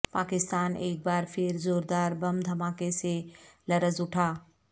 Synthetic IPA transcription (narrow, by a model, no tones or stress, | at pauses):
paːkɪst̪aːneːk̚baːɾpʰɪɾzoːɾd̪aːɾbɐmd̪ʱɐmaːkeselɐɾəzʊʈʰaː